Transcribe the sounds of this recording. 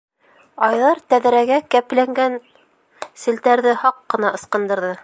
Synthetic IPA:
ɑjðɑɾt̪æðɾæɡækæplæŋɡæn | sɘ̆lt̪æɾðɘhɑqːɤ̆nɑɤ̆sqɤ̆nd̪ɤ̆ɾðɤ

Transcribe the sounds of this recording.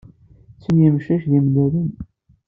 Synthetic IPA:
t͡sːənjəmʃæçðimd̪æɾən

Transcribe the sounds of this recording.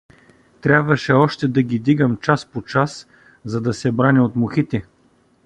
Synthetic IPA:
t̪ɾʲabvɐʃɛɔʃt̪ɛd̪ɐɡʲid̪iɡəmt͡ʃaspot͡ʃas | zɐd̪ɐsɛbɾanɛot̪mʊxit̪ɛ

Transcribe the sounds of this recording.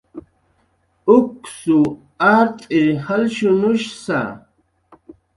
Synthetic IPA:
ʊksu | aɾt̪ʼɪhalʃʊnʊʃsa̰

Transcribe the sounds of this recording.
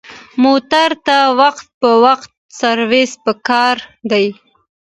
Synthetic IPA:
mot̪aɾt̪awaqt̪̚pəwaqt̪̚ | saɾwespəkɑɾd̪aj

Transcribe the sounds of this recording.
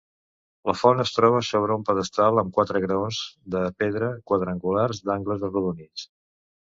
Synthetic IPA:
ləfɔnəst̪ɾɔβ̞əsoβɾəumpəðəst̪alˠəmkwat̪ɾəɣɾəonzd̪əpeðɾəkwəðɾəŋɡularzd̪aŋɡləzrəðunit͡s

